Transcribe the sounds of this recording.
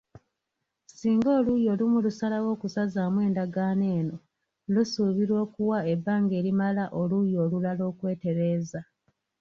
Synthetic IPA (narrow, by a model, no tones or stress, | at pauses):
siːŋɡoːlujo̞ːlumulusalawo̞ːkusazaːmwe̞ːndaɡaːne̞ːno̞ | lusuβiɾwo̞ːkuwae̞bːaːŋɡe̞ːɾimalaʔo̞lujo̞ːlulalo̞ːkwe̞ːte̞ɾeːza